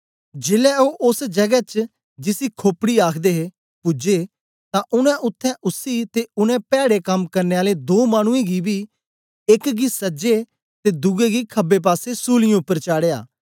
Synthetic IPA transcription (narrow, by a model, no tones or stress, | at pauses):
d͡ʒɪːlɛːoːʔʊsd͡ʒəɡɛːt͡ʃ | d͡ʒɪsiːkʰoːpɽiːaːkʰd̪eːɦe | pʊd͡ʒeː | t̪ãːʔʊnɛ̃ːʔʊt̪ʰːɛ̃ːʔʊsːiːt̪eːʊnɛ̃ːpɛːɽeːkəmkəɾneːaːleːd̪oːmaːñʊ̃ẽːɡiːbiː | ɪkɡiːsəd͡ʒeː | t̪eːd̪ʊɡeːɡiːkʰəbeːp̬aːseːsuːlɪãːʊpːəɾt͡ʃaːɽeːa̰ː